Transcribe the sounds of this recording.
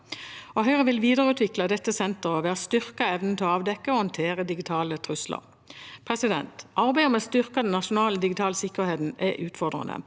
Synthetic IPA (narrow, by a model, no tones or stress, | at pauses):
oɦœʏʁəʋɪlʋiːd̪əʁəʉːt̪ʰʋɪklɑd̪ɛt̪ːəsɛnt̪əʁoʋeːɑst̪ʏʁkɑɛʋnən̩t̪ʰɪɑːʋd̪ɛkːəoːhɑnt̪ʰeːʁəd̪ɪɡɪt̪ʰɑːlət̪ʰʁʉslə̰ʁ | pʰʁɛsɪd̪ɛ̰nt̪ɑʁbæɪɔmɛst̪ʏʁkɑd̪ɛn̩ːɑʃʊnɑːləd̪ɪɡɪt̪ʰɑːləsɪkːəʁheːt̪n̩ʔɛʔʉːt̪fɔʁd̪ʁə̰nə̰